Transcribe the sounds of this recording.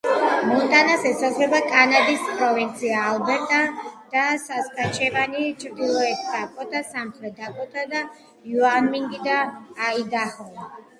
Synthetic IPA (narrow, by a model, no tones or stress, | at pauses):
mɔt̪ʼanasɛsazvɛbakʼanad̪ispʼɾɔvint̪sʰiaːlˠbɛɾt̪ʼad̪̥asaskʼat͡ʃʰɛvanit͡ʃʰɾd̪ilˠɔɛkʰsakʼɔt̪ʼasamχɾɛd̪akʼɔt̪ʰʼad̪a | juanmiŋɡid̪aːid̪aχɔva